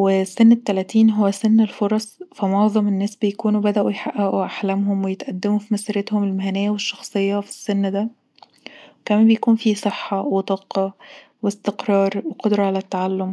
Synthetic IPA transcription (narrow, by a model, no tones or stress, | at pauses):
wesːenːet̪ːælæt̪iːnɦowːæsenːelfoɾˤɑsˤfæmoʕzˤɑmenːæːsbejækuːnuwbæd̪æʔujħaʔːæʔuʔaħlæmɦomwejet̪ʔæd̪ːemufimæsiːɾet̪homelmæhænejːæweʃːɑ̥xsˤejːɑfi̥sːenːd̪æ | wekæmæːnbejækuːnfisˤeħːɑwet̪ˤɑːqɑ | west̪eqɾˤɑːɾˤweqod̪ɾˤɑʕalæt̪ːaʕalːom